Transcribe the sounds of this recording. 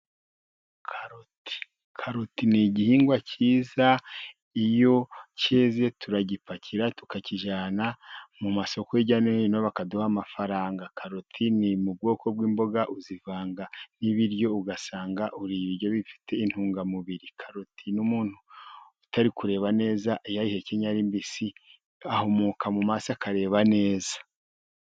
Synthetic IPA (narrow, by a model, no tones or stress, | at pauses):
kʰaɾoti̥ | kʰaɾotiniɟihiːŋɡwacʰiːza | ijo̞ceːze̞tʰuɾaɟipacʰiɾatu̥kaciʒaːnamumaso̞koiɟaneino̞βakaduhamafaɾaːŋɡakʰaɾotʰinimub̚ɡo̞ːkʰo̞bwiːmbo̞ɡaʔuzivaːŋɡaniβiɾjo̞uɡasaːŋɡaʔuɾiβiɾjo̞βifi̥tʰe̞in̥huːŋɡamuβiɾikʰaɾotʰinumuːn̥huː | taɾikuɾe̞ːβane̞ːzaʔijaihe̞ceɲaɾimbisi | ahomokamumasakʰaɾe̞ːβane̞ːzḁ